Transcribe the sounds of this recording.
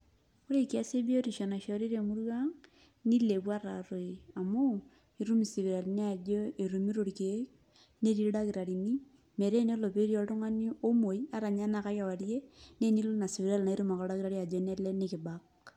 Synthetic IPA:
o˦ɾe˦ki˨a˦se˦bi˦o˦ɾi˨ʃɔ˨na˨ʃɔ˨ɾi˦ɾe˨mu˦ɾwa˦ŋ | ni˦le˨bwa˦ɾa˨ɾo˨i˨a˨mu˦ | i˦ɾu˦mi˨si˨βi˨ɾa˨li˨ni˦a˨d͡ʒo˦e˨ɾu˨mi˦ɾo˨ɾi˨ke˨˦ | ne˦ɾi˦ɾɾa˦ki˨ɾa˨ɾi˨ni˦ | me˨ɾe˦n˦o˦lo˨pe˦ɾi˦ɔ˨to˦ŋa˦ni˦o˦mo˨i˦a˦ɾa˨ɲa˦na˦ka˦ja˨wa˨ɾje˦ne˦ni˦lo˦na˨si˨βi˨ɾa˦lna˨i˦ɾu˦ma˨ka˨˦ɾa˦kiɾa˦ɾi˦a˨d͡ʒɔ˦ne˦lɛ˦ne˦kɪ˨bak

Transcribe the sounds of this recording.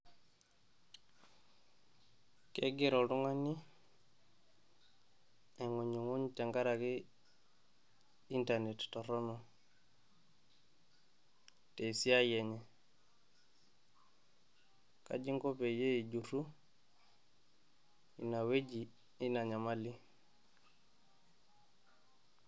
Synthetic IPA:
ke˦ɡi˦ɾo˨ɾu˦ŋa˦ni˦ | e˨ŋu˨ɲu˨ŋu˦nt͡ʃa˨ŋɡa˦ɾa˨ki˦ | i˦nta˨ne˨tto˨ɾo˦nu˨ | te˨i˨si˦a˦je˨ɲe˨ | ka̰˨d͡ʒi˦ŋɡo˦pe˨je˦i˨ɟu˨ɾu˦ | i˨na˨we˦d͡ʒi˨ | i˦na˨ɲa˨ma˦li˦

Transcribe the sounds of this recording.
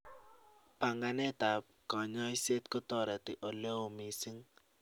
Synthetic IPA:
pa˨ŋɡa˨nɛ˦ta˨p̚ | kɔ˨ɲɔ˦i˦se˦tkɔ˦tɔ˦ɾɛ˨tɪ˨ʔo˨le˦wo˨mi˨si˦ŋ

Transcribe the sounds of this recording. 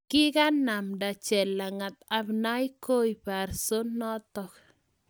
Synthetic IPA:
kɪ˦ka˦na˨mda˨t͡ʃɛ˨lːa˨ŋa˨t̪a˨bna˦jko˦jpa˨ɾso˦nɔ˦t̪ɔ˨k

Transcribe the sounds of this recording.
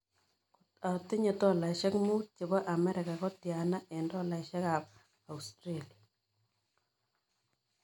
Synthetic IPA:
kta˨tɪ˦ɲe˨tɔ˦la˨ʃɛ˦kmu˦t̚t͡ʃɪ˨bɔ˦ʔa˨mɛ˦ɾɪ˨ka˨kɔ˦tja˨na˦ʔɛ˨ndɔ˦la˨ɪ˨ʃɛ˦ka˨p̚ | a˨ustɾeli˨a˨

